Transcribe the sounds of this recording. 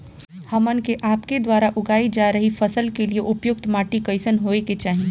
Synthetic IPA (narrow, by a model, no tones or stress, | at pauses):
hɐmənkeʔaːpked̪waːɾaʔʊɡaːid͡ʒaːɾəɦifɐsəlkelieʔʊpjʊk̚t̪maːʈikɐɪsənɦoːeket͡ʃaːɦie